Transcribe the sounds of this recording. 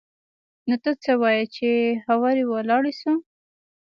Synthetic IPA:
not̪ət͡səwɑjət͡ʃehawɑɾiwalɑɽisu

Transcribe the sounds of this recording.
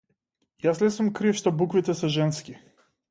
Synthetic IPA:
jasnɛsumkɾifʃt̪ɔbukvit̪ɛsɛʒɛnski

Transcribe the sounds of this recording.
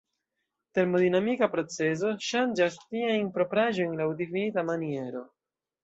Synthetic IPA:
te̞ɾmo̞dinamikapɾo̞t͡se̞z̬o̞ʃand͡ʒastiajnpɾo̞pɾaʒo̞jnlawdifinitamanie̞ɾo̞

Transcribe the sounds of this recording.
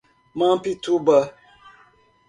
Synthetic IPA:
mãpitubə

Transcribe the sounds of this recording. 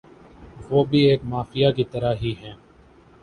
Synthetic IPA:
ʋoːbʱieːkmaːfijaːkit̪əɾaɦiːɦɛ̃ː

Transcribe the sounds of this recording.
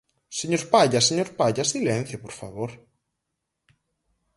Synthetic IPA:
seɲoɾpaʎaseɲoɾpaʎasilɛnθjapɔɾ̥fa̰voɾ̥

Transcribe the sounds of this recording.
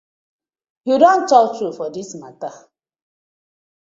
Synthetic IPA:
judɔn̩tɔtɾufɔdismata

